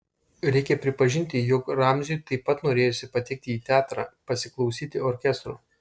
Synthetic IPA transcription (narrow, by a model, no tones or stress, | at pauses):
ɾʲɛɪkʲɛpʲɾʲɪpɐʒʲɪnʲt̪ʲɪjoːkɾɑˑmʲzʲʊjt̪ɐɪpːɐt̪noːɾʲeːjosʲɪpɐt̪ʲɛk̚t̪ʲɪiːt̪ʲæːt̪ɾɑːpɐsʲɪklˠɒʊsʲiːt̪ʲɪoːɾʲkʲɛst̪ɾoː